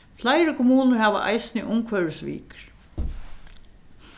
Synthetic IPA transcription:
flajɾɪkʰɔmuːnəɾhaːʋa̰ʔa̰jsɪniʔʊmkʰvœɹəsʋḭːk

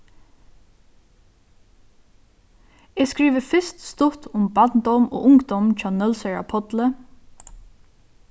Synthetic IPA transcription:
ɛːskɹiːʋəfɪst̪st̪ʊt̪ʊmbat̪nd̪ɔmo̰ːʔʊŋkd̪ɔmt͡ʃʰaːnœlsɛɹa̰pʰɔt̪lə

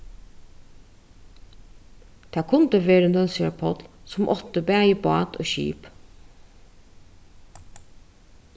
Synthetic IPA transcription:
t̪ʰɑːkʰʊnt̪əʋeːɾənœlsɪapʰɔt̪lsʊmʔɔt̪əbæːjəbɑːt̪o̰ːʃḭːp

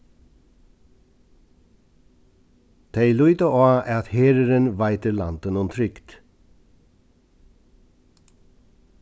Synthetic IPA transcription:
t̪ʰeɪlʉʏt̪əʔoːʔæɑt̪heːɾəɾənʋæɪt̪əɾlɑ̰nt̪ənʊnt̪ʰɾʏkt̪

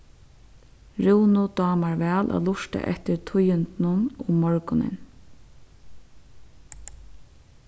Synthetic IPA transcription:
ɹuwnʊd̪ɑːmaɹʋɛːlʔa̰lʊʂt̪a̰ʔɛ̰t̪ɪɾt̪ʰʊjʏnt̪nʊnʊmmɔɹkʊnɪ̰n

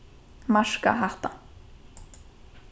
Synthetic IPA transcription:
maʂka̰ɦaht̪a

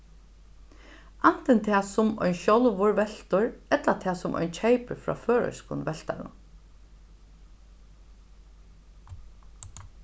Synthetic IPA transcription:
ʔan̥t̪ɛnt̪ʰaːsʊmɔ̰jnʃɔlʋʊɹʋɛl̥t̪ʊɹɛt̪lat̪ʰæːsʊmʔɔ̰jnt͡ʃʰejpəfɹɔ̰ːføːɹɔ̰skʊnʋɛlt̪a̰ɾʊ̰n

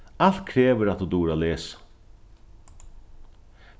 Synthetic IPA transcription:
alt̪̚kʰɾeːʋəɾat̪uːd̪uːɾaleːsḁ

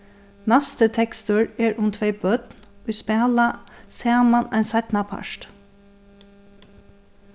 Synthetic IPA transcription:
næst̪ət̪ʰɛkst̪əɹeːɹʔʊmt̪ʰʋeɪbœd̪̥nʊjspɛɑlɑsæːmɑnæɪnsæɪt̪nɑpʰɑ̰ʃʈ

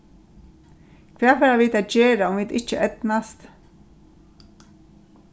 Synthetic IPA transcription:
kʰʋɛːvɛːɾaviːt̪aːd͡ʒeːɾaʊmviːd̪ɪht͡ʃəʔɛt̪nast̪

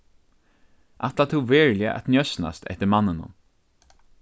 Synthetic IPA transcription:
ʔat̪lat̪ʰuwveːɹlɪa̰ʔa̰t̪njœsna̰st̪ʰɛ̰ht̪ɪɾmanːɪnʊ̰m

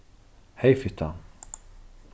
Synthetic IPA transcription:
hejfɪt̪ʰa

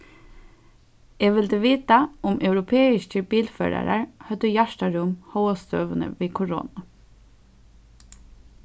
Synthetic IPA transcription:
ɛːʋɪlt̪əʋiːt̪aʊmʔœwɾʊpʰeːɪʃcəbiːlfœ̰ːɾa̰ɾa̰ɹhœt̪ːʏjaʂt̪aɾʊmhɔwast̪øːʋənə̰ʋiːkʰɔɹo̰ːna

